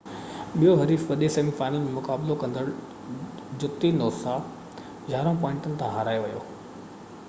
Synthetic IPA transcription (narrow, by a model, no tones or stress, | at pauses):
ɓijoɦɐɾiːfʋɐɗesɐ̃mifaːnim̃mʊkaːblokɐ̃nd̪əɽ | d͡ʑʊt̪ːinoːsa | d͡ʑaːɾõpɔ̃ːɪ̃ɳʈənɪ̆t̪ʰãɦaːɾaːjʋɐjoː